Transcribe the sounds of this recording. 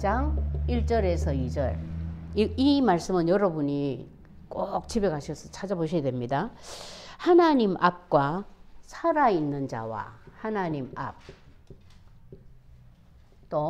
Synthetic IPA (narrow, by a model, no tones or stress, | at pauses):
d͡ʑaŋiɭt͡ɕ͈ʌɾe̞sʰʌid͡ʑʌ̰ɭiimaɭs͈ɯmɯnjʌɾʌbuɲi | kok̚t͡ɕʰibekʰaɕʰʌsʰʌt͡ɕʰad͡ʑaboɕʰidwemɲida | hanaɲimʔap̚k͈wasʰaɾainːɯnd͡ʑa̰wa̰hanaɲima̰p̚ | t͈o